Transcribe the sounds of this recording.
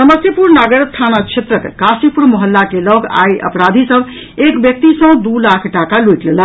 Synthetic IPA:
səməsipuɾnaɡəɾt̪ʰanat͡ʃʰet̪ɾəkːasipuɾməɦəlːakelɔɡa̰jʔə̰pɾad̪ʱisəb | ekbjək̚t̪isə̃d̪ulakʰʈakaluit̪lelə

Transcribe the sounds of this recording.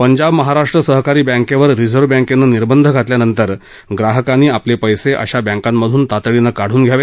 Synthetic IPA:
pəɲd͡ʑabməɦaɾaʂʈɾəsəɦkaɾiːbə̃ŋkeʋəɾɾid͡zʱəɾʋbɛ̃ŋkenːəniɾbənd̪ʱəɡʱat̪ljanənt̪əɾ | ɡɾaɦəkaniːaplepəjseʔə̰ɕabə̃ŋkamːəd̪ʱuːnt̪at̪ɭinəkaɽ̤uːnɡʱjaʋe

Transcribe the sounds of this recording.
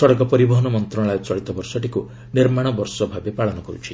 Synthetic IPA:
sɔɽɔkɔpɔɾibɔɦɔnɔmɔnt̪ɾɔ̃ɽ̃ɭajt͡ʃɔɭit̪ɔbɔɾsɔʈiku | niɾmaɽ̃ɔbɔɾsɔbʱabepaɭɔnɔkɔɾṵt͡ʃʰi

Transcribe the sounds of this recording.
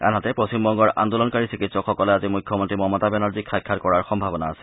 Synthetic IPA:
a̰natɛpɹosimbɔŋɡɔɹʔa̰nd̪olɔnkaɹisikitsɔkxɔkɔlɛazimujkʰːɔmɔntɹimɔmɔtabɛnaɹzikʰajkʰːatkɔɹaɹxɔmbʱabɔnaːsɛ̥

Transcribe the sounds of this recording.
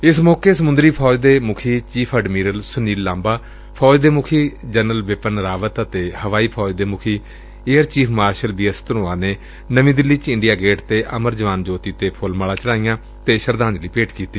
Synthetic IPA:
ɪsmɔːkeːsəmʊnd̪ɾiːpʰɔːd͡ʒd̪eːmʊkʰiːt͡ʃiːpʰəɖmiːɾəlsʊniːlːãːmbaː | pʰɔːd͡ʒd̪eːmʊkʰiːd͡ʒənəlʋɪpənɾaːʋət̪ət̪eːhəʋaːiːpʰɔːd͡ʒd̪eːmʊkʰiː | eːəɾt͡ʃiːpʰmaːɾʃəlbiːəst̪ənõːãːneː | nəʋĩːd̪ɪlːit͡ʃɪɳɖijaːɡeːʈt̪eːʔəməɾd͡ʒəʋaːnd͡ʒoːt̪iːt̪eːpʰʊlmaːlaːt͡ʃəɽaːijãː | t̪eːʃəɾd̪ãːɲd͡ʒliːpeːʈkiːt̪iː

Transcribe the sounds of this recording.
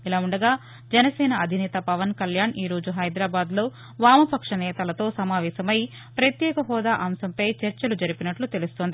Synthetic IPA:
ilaːuɳɖɐɡaː | d͡ʒɛnɐsɛːnɐɐd̪ʱinɛːt̪ɐpɐʋɐnkɐljaːniːɾo̞ːd͡ʒuɦɐjd̪ɾaːbaːd̪lo̞ː | ʋaːmɐpɐkʂɐnɛːt̪ɐlɐt̪o̞ːsɐmaːʋɛːsɐmɐji | pɾɐt̪jɛːkɐɦɔːd̪aːʔɐːmsɐmpɐjt͡ʃɐɾt͡ʃɐlud͡ʒɐɾipinɐʈlut̪e̞lust̪ond̪i

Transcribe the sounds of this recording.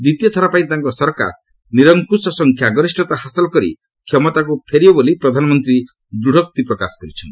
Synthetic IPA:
d̪it̪ijɔt̪ʰɔɾapaĩt̪aŋkɔsɔɾka̰s | niɾɔŋkusɔsɔŋkʰjaɡɔɾisʈɔt̪aɦasɔlɔkɔɾḭ | kʰjɔmɔt̪akupʰeɾibɔbolipɾɔd̪ʱanɔmɔnt̪ɾi | d̪ɾuɽ̤ʱɔk̚t̪ipɾɔkasɔ̥kɔɾit͡ʃʰɔnt̪i

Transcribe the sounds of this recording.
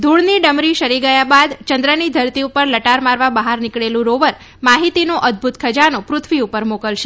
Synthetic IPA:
d̪ʱuɭniɖəmɾiʃəɾiɡəjabad̪t͡ʃənd̪ɾənid̪ʱəɾt̪iupəɾləʈaɾmaɾʋabəɦaɾnɪkɭelũɾoʋəɾ | maɦit̪inoʔəd̪̚bʱut̪kʰəd͡ʒanõpɾʊt̪ʰʋiupəɾmokəlʃe

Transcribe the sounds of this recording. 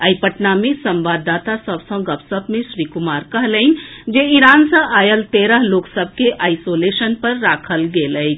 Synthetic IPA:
əjpəʈnamesə̃mbad̪at̪asəbsə̃ɡəpsəbmẽsɾikumaɾkəɦləɪnd͡ʒeiɾansə̃ʔajəlt̪eɾəɦloksəb̚ʱkeʔajsolesənpəɾːakʰəlɡelət͡ʃʰ

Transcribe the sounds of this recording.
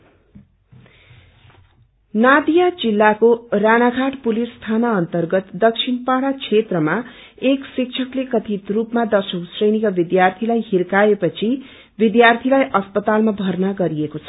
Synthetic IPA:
nad̪ijad͡zilːakoranaɡʰʱaʈpulisst̪ʰanaʌnt̪ʌrɡʌt̪d̪ʌkt͡sʰinpaɽat͡sʰet̪rʌma | eksik̚t͡sʰʌklekʌt̪ʰit̪rupmad̪ʌsʌwsrʌjnikabid̪jart̪ʰilajɦirkaepʌt͡sʰi | bid̪jart̪ʰilajʔʌspʌt̪almabʱʌrnaɡʌɾiekot͡sʰʌ̥

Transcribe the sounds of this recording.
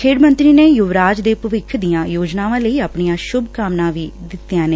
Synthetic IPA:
kʰeːɽmə̃nt̪ɾiːneːjʊʋɾaːd͡ʒd̪eːpəʋɪkʰd̪ijãːjoːd͡ʒnaːʋãːləiːaːpɳijãːʃʊbkaːmnãːʋiːd̪ɪt̪ːjãːneː

